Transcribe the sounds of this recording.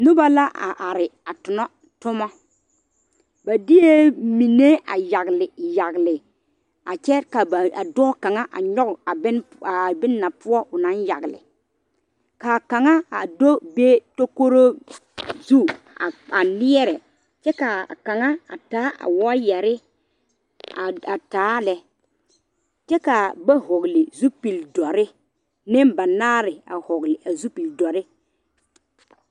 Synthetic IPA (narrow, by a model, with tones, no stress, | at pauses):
nʊ˦ba˨la˦ʔa˨ʔa˨ɾɪ˨a˨tʊ˨nɔ˦ | tʊ˦mɔ˦ | ba˨di˦je˦mi˨ne˦a̰˨ja˨ɡlɪ˨ja˨ɣlɪ˨ | a˨t͡ʃɛ˦ka˨ba˨a˨dɔ˦ka˨ŋa˦ʔa̰˨ɲɔ˦ɣʊ˨a˨bɪ˦n | a˨bɪ˦nː˦a˨pʊ˦ɔ˦ʔʊ˨na˨˦nja̰˨ɡlɪ̰˨ | ka˨ka˨ŋa˦a˨do˦be˦to˦ko˦ɾo˦ | zu˦˨ | a˨nɪ˦ɛ˦ɾɛ˨ | t͡ʃɛ˦ka˨ka˨ŋa˦a̰˨taː˨˦ʔa̰˨wɔ˦jɛ˨ɾɪ˦ | a˨a˨taː˨˦lɛ˨ | t͡ʃɛ˦ka˨ba˦ɦʊ˨ɣlɪ˨zu˦pi˨ldɔ˨ɾɪ˦ | nɪ˦mba˨naː˦ɾɪ˨a˨hʊ˨ɡlɪ˨ʔa˨zu˦pi˨ldɔ˨ɾɪ˦